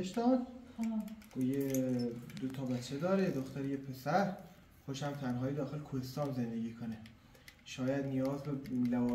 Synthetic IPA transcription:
eʃd̪ɒːd̪ | ɡ̥oje | d̪ot̪ʰɒːbæt͡ʃʰːed̪ɒːɾed̪oxt̪æɾijepʰesæɾ | xoʃæmt̪ʰænɦɒːjed̪ɒːxelkʰohest̪ɒːnzend̪e̞ɡʲiːkʰone | ʃɒːjæd̪nijɒːzbelævɒː

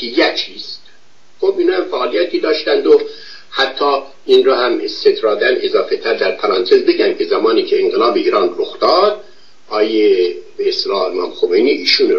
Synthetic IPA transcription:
hijæt͡ʃʰiːst̪ | xobinɑːhæmfæːlijæt̪ʰiːd̪ɒːʃt̪ænd̪o | hæt̪ʰːɒː | inɾoːhæmset̪ʰɾɑːd̪ænezɒːfet̪ʰæɾd̪æɾpʰæɾɑnt̪ʰezbe̞ɟænkʰezæmɑːniːcʰeːŋɡelɑːbeiːɾɑːnroxd̪̥ɑːd̪ | ʔɒːjebeːst̪elɑːemɑ̰ːmxomejniʔiːʃuːn

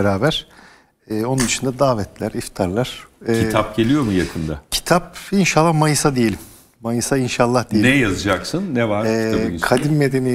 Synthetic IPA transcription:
ɾaːbæɾ̥ | ɛːo̞nund̪ɯʃɯnd̪ad̪aːvɛt̪lʲæɾift̪ʰaɾlˠaɾ̥ɛit̪ʰap̚ɟe̞lʲijo̞mujakʰɯnd̪acʰi̥t̪ʰap̚inʃalˠːamajɯsad̪ejeim | majɯsainʃalˠːahd̪ejenɛjazɯd͡ʒaksɯnːɛvaɾɛːkʰad̪inmed̪e̞ni

